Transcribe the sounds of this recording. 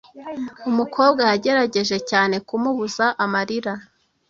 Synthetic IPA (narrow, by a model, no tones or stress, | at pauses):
umukʰo̞ːbɡahaɟe̞ɾaɟe̞ʒe̞caːne̞kumuβuzaʔamaɾiɾa